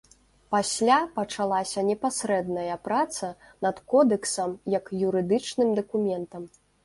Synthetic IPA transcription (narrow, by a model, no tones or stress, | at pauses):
pasʲlʲapɐt͡ʂalˠasʲɐnʲɛpasʲɾɛd̪nɐjɐpɾat̪sɐ | nɐt̪kɔd̪ɛksɐmjɐkjuɾɨd̪ɨt͡ʂnɨmd̪ɐkumʲɛnt̪ɐm